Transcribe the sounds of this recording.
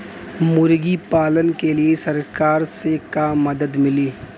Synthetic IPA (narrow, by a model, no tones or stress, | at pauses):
mʊɾɡipaːlənkeliesɐɾkaːɾsekaːmːɐd̪əd̪mɪliː